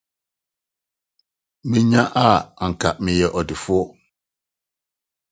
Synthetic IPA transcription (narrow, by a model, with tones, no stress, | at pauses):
mɪ̃˦ɲã˦ʔa˦˨a˨ŋ̩˨kʰa̰˨mɪ̃˨jɛ˨ʔɔ˨dɪ˨fʊ˦ɔ˦